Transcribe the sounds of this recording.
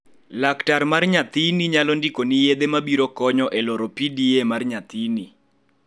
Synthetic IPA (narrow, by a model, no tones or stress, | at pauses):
laktarmarɲat̪iniɲalɔndikonɪjed̪emabiɾokɔɲɔʔɛlɔɾɔpidiemarɲat̪ini